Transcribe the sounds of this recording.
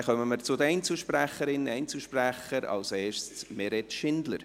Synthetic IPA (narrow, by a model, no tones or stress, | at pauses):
χœməməɾt͡sʊd̪əɛɪnt͡sl̩ʃpræχəɾɪnɛɪnt͡sl̩ʃpræχəɾɑ̰lsɛːʃt͡smɛɾɛtʃɪnd̪lə̰ɾ